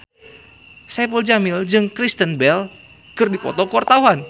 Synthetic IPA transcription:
sajapəld͡ʒamɪld͡ʒɨŋkɾist̪ənbɛl | kɨrdipɔ̰t̪ɔkwart̪awan

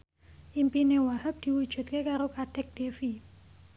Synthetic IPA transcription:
ʔimpinewahəp̚d̪̥i̤wud̥ʒ̥ṳt̪̚kekaɾokaɖ̥ɛ̤k̚d̥efi

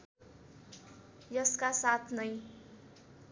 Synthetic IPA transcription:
jʌskasat̪ʰnʌj

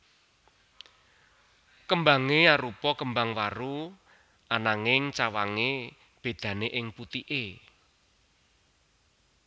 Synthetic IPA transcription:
kəmbaŋeaɾupɔkəmbaŋwaɾu | anaŋɪŋt͡ʃawaŋe | b̥e̤d̪̥ä̤neʔɪŋput̪iʔe

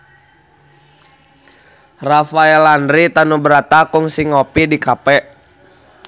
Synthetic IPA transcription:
rafaɛlandɾit̪anubəɾat̪akuŋsiŋɔpidikapɛʔ

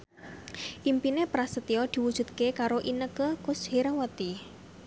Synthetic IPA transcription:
ʔimpinepɾasət̪iɔd̪̥i̤wud̥ʒ̥ṳt̪̚kekaɾoʔinəkəkʊshiɾawət̪i

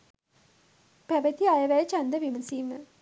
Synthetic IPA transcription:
pæʋət̪iajəʋæjt͡ʃand̪əʋiməsiːmə̰

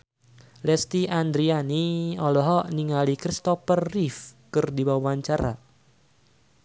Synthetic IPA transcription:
lɛst̪iand̪ɾianiɔlɔɦɔʔniŋalikɾist̪ɔfərːifkɨrdiwawaɲt͡ʃaɾa̰

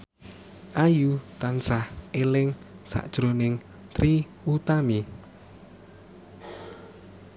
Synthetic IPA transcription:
ʔajut̪ansahelɪŋsa̰ʔd̥ʒ̥ɾonɪŋ | t̪ɾi | ut̪ami

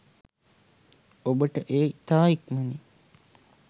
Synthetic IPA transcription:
obəʈəʔeːt̪aːikməni

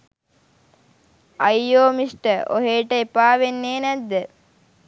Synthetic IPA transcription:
ɐjoːmisʈəʔo̰ɦeːʈəepaːʋenːeːnæd̪ːə

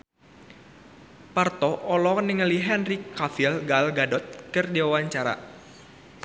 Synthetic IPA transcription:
part̪ɔʔɔlɔnɪŋəliɦɛnrikafɪlɡalɡadɔt̪̚kɨrdiwawaɲt͡ʃaɾa̰

